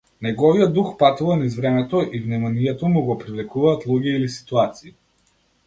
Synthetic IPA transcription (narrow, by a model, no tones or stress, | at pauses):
nɛɡɔvijɔd̪uxpat̪uvanizvɾɛmɛt̪ɔʔivnɛmaniɛt̪ɔmuɡɔpɾivlɛkuvaːt̪lˠuɟɛilisi̥t̪uat̪siː